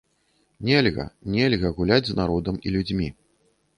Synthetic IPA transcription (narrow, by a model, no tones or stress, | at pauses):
nʲɛlʲɣɐ̰nʲɛlʲɣɐɣulʲad͡zʲznaɾɔd̪ɐmilʲud͡zʲmʲi